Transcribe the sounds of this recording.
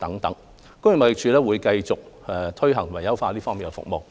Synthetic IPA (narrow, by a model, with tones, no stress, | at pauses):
t̪ɐ˨˥ŋt̪ɐ˨˥ŋ | kʊ˥ŋjɪ˨ŋmɐ˨jɪ˨k̚t͡ʃʰyː˨˧lɛː˥wuː˨˧jkɐ˧jt͡sʊ˨k̚ɛ˨t̪ʰɵ˥ɥɦɐ˨˩ŋt̪ʰmɐ˨˩jɐ˥wfaː˧liː˥fɔː˥ŋmi˨nkɛ˧˩fʊ̰˨k̚mo˨w